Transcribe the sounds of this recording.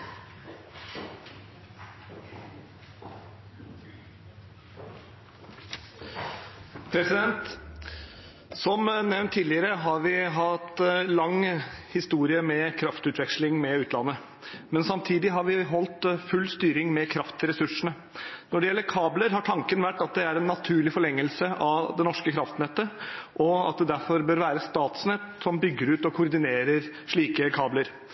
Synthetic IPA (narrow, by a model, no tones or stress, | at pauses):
pʰɾɛsɪd̪ɛnt̪ | sɔmnɛʋnt̪ʰːiːlɪəɾəɦɑɾʋɪɦɑt̪lɑŋːhɪst̪uːɾɪəmɛkʰɾɑft̪ʉːt̪ʰʋɛkʂlɪŋmɛʉːt̪lɑnːə | mɛnsɑmt̪ʰiːd̪ɪɦɑɾʋɪɦɔlt̪fʉlːst̪yːɾɪŋmɛkʰɾɑft̪ʰɪɾɛsʉʂəɳə | nɔɖɛjɛlːəɾkʰɑːbləɾɦɑʈʰɑŋkənʋæʈːɑt̪̚d̪ɛæɾɛnːɑt̪ʰʉːɭɪfɔɭɛŋːəlsəʔɑʋd̪ɛnɔʂkəkʰɾɑft̪nɛt̪ːəʔɔɑ̰t̪̚d̪ɛd̪æɾfɔɾbøːɾʋæːɾəst̪ɑːt̪snɛt̪sɔmbʏɡːəɾʉːt̪ɔkʰʊɾd̪ɪneːɾəɾʂɭiːkəkʰɑːbləɾ